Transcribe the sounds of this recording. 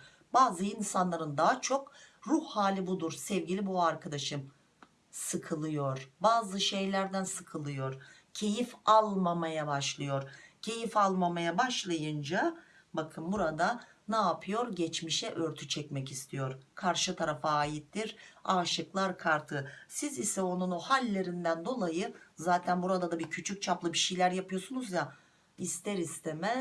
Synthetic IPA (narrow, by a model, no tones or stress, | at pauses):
baːzɯinsanlˠaɾɯnd̪aɦat͡ʃʰo̞kɾuhhaːlʲibud̪uɾsɛvɟilʲibuaɾkʰad̪aʃɯm | sɯkʰɯlˠɯjo̞ɾ̥baːzɯʃejlʲæɾd̪ænsɯkʰɯlˠɯjo̞ɾ̥cʰe̞jifalˠmamajabaʃlˠɯjoɾcʰe̞jifalˠmamajabaʃlˠajɯnd͡ʒa | bakʰɯmbuɾad̪a | naːpʰɯjo̞ɾɟɛt͡ʃmiʃɛʔø̞ɾt̪ʰyt͡ʃʰɛcmɛcist̪ʰijoɾkʰaɾʃɯt̪ʰaɾafaːjit̪ʰːiɾaːʃɯklˠaɾkʰaɾt̪ʰɯsizisɛo̞nunohalʲːe̞ɾind̪ænd̪o̞lˠajɯzaːt̪ʰænbuɾad̪ad̪abiɾcʰyt͡ʃʰyc̚t͡ʃʰaplˠɯbiʃejlʲæɾjapɯjo̞sunuzja | ist̪ʰeɾist̪ʰemɛ